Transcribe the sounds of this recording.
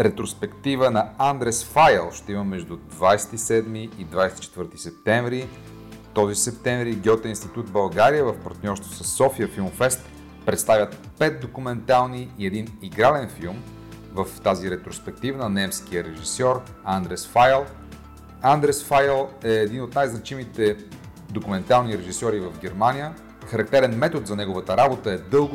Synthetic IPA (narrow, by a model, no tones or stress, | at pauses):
ɾɛt̪ɾospɛkt̪ivənɐand̪ɾɛsfajɛlˠʃt̪ɛimɐmːɛʒd̪ud̪vajsɛ̥t̪isɛd̪miːd̪vajsɛt̪it͡ʃɛt̪vɤɾt̪i̥sɛp̚t̪ɛɱvɾi | t̪ɔzisɛp̚t̪ɛ̃ɱvɾiɡʲɔt̪əinst̪it̪ut̪bɐlˠɡaɾiəvəfpɐɾt̪nʲɔɾst̪vosɐsːɔfiəfilˠmfɛst̪ | pɾɛt̪st̪avʲjət̪ | pɛt̪̚d̪okumɛnt̪alˠniːɛd̪iniɡɾalɛnfilˠm | vəft̪aziɾɛt̪ɾospɛk̚t̪ivənɐnɛmskiəɾɛʒisɔɾ | and̪ɾɛsfajlˠ | and̪ɾɛsfajlˠɛːd̪inot̪najznɐt͡ʃimit̪ɛ | d̪okumɛnt̪alˠniɾɛʒisɔɾivəvɡɛɾmanʲijə | xɐɾɐk̚t̪ɛɾɛnmɛt̪ot̪zɐnɛɡʊvət̪əɾabot̪əɛd̪ɤlˠɡ